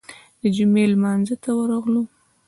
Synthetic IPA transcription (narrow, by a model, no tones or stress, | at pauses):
d̪əd͡ʒʊmelmɑnzət̪awəɾaɣlu